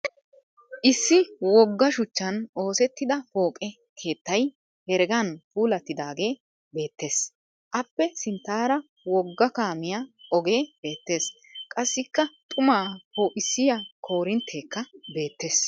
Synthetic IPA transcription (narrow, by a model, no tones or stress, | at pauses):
ʔɪsːɪwɔɡːɐʃʊt͡ʃːɐnʔo̞ːsɛt̪ːɪd̪ɐfo̞ːkʼɛ | kʰe̞ːt̪ːɐj | hɛɾɡɐnpuːlɐt̪ːɪd̪aːɡe̞ː | be̞ːt̪ːe̞ːs | ʔɐpːɛsɪnt̪ːaːɾɐ | wɔɡːɐkaːmɪjaɔɡe̞ːb̥e̞ːt̪ːe̞ːs | kʼɐsːɪkːɐt̪ʼʊmaːpoːʔɪsːɪjɐkʰo̞ːɾɪnt̪ʰːe̞ːkːɐbe̞ːt̪ːe̞ːs